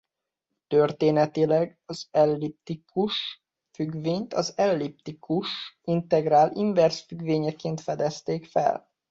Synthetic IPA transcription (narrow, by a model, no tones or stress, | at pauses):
t̪ørt̪eːnɛt̪ilɛɡɒzɛlːip̚t̪ikʰuʃ | fyɡʋeːɲt̪ɒzɛlːip̚t̪ikʰuʃint̪ɛɡraːliɱvɛrsfyɡʋeːɲɛkeːnt̪fɛd̪ɛst̪eːkfɛ̰l